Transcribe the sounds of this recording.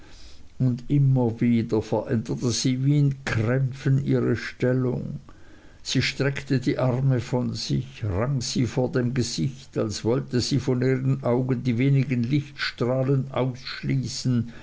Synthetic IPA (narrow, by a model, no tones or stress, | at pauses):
ʊndɪmɐviːdɐfɛɐʔɛndətəz̥iːviːɪnkʰʁɛmfənʔḭːʁəʃtɛlʊ̰ŋ | z̥iːʃtʁ̥ɛktədiːʔaʁməfɔnz̥ɪçʁaŋz̥iːfoːɐdeːmɡəz̥ɪçtalsv̥ɔltəziːfɔniːʁənʔaʊɡəndiːveːnɪɡənlɪçtʃtʁ̥aːlənʔa̰ʊsʃliːsn̩